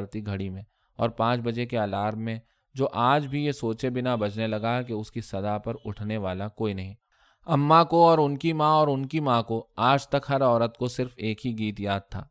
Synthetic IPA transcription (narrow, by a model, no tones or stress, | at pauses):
ɾt̪iɡʱɐɽimẽ | ɔːɾpãːt͡ʃbɐd͡ʒekeaːlaːɾmmẽ | d͡ʒoːʔaːd͡ʒbʱijesoːt͡ʃebɪnabɐd͡ʒnelɐɡaɦɛkeʊskisɐd̪apɐɾʊʈʰneʋaːlakoːinɐɦĩː | ɐmːakoɔːɾʊnkimãɔːɾʊnkimãːkoaːd͡ʒt̪ɐkɦɐɾɔːɾət̪kosɪɾfeːkɦiɡiːt̪jaːd̪̚t̪ʰa̰ː